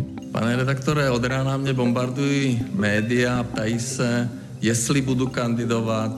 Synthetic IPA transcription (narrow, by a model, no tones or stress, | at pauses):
pa̰nɛɾɛd̪akt̪ɔɾɛɔd̪ɾaːnamɲɛbɔmbaɾd̪ujiːmɛːd̪iaːp̚t̪ajiːsa | jɛslibud̪ukand̪id̪ɔʋat